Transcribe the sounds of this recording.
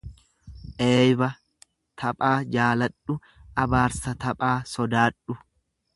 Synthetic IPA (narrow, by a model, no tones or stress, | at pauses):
ʔeːjbɐ | t̪ʰɐpʼaːd͡ʒaːlɐᶑʊ | ʔɐbaːɾsɐt̪ɐpʼaːsɔd̪aːᶑʊ